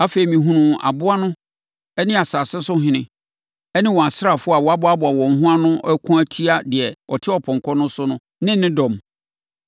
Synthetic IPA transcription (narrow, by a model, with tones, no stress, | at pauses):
a˦fe˨i˨mĩ˨ɦũ˦nũ˨a̰˨bʊ˦a˦nʊ̃˦ | ɛ˦nɪ̃˦a˨saː˨sɛ˦sʊ˦ɦɪ̃˨nɪ̰̃˦ | ɛ˦nɪ̃˦wɔ̃˨a˨sɪ˦ɾa˨fʊ˦a˨wɔ˨a˦bʊ˨˦a˦bʊ˨a˨wɔ̃˨ŋ̩˦ɦʊ̃˦a˦nʊ̃˦ɛ˦kʰũ˦æ˦tʰi˦a˦dɪ˨ɛ˨ɔ˨tʰɪ˦ɔ˨pʰɔ̃˨ŋkʰɔ˦nʊ̃˦sʊ˦nʊ̃˦ | nɪ̃˦nːɪ̃˦dɔ̃˨m